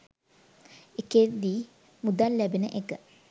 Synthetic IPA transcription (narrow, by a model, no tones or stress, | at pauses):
eked̪iː | mud̪allæbenəʔekə